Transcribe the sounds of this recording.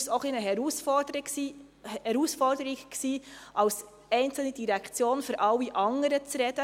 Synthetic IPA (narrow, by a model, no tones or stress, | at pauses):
soχlinəɦɛɾusfɔdsi | ɛɾuːsfɔrd̥əɾiɡksiːʔɑws | ɛɪnt͡sl̩nid̥iɾækʰt͡sjoːnføɾʔɑwːiʔɑŋəɾət͡sɾɛd̥ə